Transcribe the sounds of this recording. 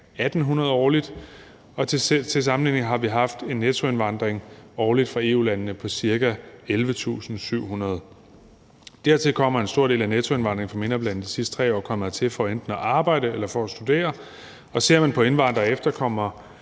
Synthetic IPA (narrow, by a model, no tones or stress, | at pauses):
æd̥n̩ɦunɐð̞̩ˠɒːlid̥ | ɒ̽t͡sʰe̝s̬ɑ̈mn̩lḭːne̝ŋ̩ɦɑ̈ʋiɦɑ̈fd̥e̝nːæt͡sʰo̝e̝nʋɑ̈n̰d̥ʁeŋɒːlid̥fʁɑ̈e̝̰ːṵːlænənəpʰɒ̽siɐɡæelʋət͡sʰṵːsn̩syʊ̰ɦunɐð̞ˠ | d̥æɐ̰t͡sʰe̝lkʰɒ̽m̰ɐe̝nsd̥o̝ɐ̰de̝̰ːlænæt͡sʰoe̝nʋɑ̈nd̥ʁe̝ŋ̩fɒ̽me̝nʁɐblæn̰d̥isisd̥ət͡sʰʁɛ̰ːɒ̰ːkʰɒ̽m̰ɐt͡sʰe̝lfɒend̥n̩ɒʔɑ̈ːb̥ɑ̈ɪ̰d̥əelɐfɒːsd̥ud̥e̝̰ːɐ | ɒ̽se̝ɐ̰mænpʰɒ̽e̝nʋɑ̈n̰d̥ʁɐefd̥ɐkʰɒ̽m̰ɐ